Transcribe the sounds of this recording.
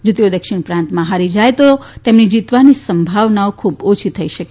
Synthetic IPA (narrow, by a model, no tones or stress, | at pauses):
d͡ʒot̪eod̪əkʃɪɳ̃pɾãnt̪mãɦaɾid͡ʒajt̪ot̪emnid͡ʒit̪ʋanisəmbʱaʋnaokʰubot͡ʃʰit̪ʰəiʃək